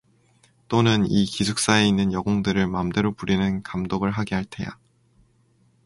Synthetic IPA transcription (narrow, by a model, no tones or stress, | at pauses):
t͈onɯnikisʰuk̚s͈ae̞inːɯnjʌɡoŋdɯɾɯɭmamde̞ɾopuɾinɯnkamdoɡɯɭɦaɡiɦaɭtʰe̞ja̰